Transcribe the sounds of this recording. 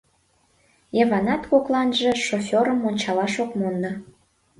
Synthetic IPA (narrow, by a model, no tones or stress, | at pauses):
jevɑnɑt̪koklɑnʒeʃofʲoɾəmonʲt͡ɕɑlɑʃokmond̪ə̆